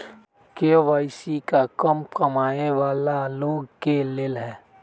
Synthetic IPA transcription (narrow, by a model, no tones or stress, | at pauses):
keoʋaːɪsikakəmpkɐmaːeʋaːlaloːɡkeleːlɦɛ̃ː